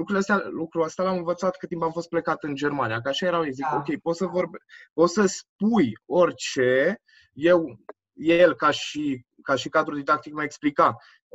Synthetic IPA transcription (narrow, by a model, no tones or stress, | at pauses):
lukɾuleəst̪ʲalukɾuəst̪ealamɨnvət̪sat̪kɨt̪impamfo̞st̪̚plekat̪ɨnd͡ʒe̞rmanijakəaʃaje̞ɾaweziko̞kʲe̞jpo̞t̪səvo̞rbpo̞t̪səspujo̞rʲt͡ʃe̞ | je̞w | jelkaʃi | kaʃikad̪ɾud̪id̪akt̪ikmaeksplika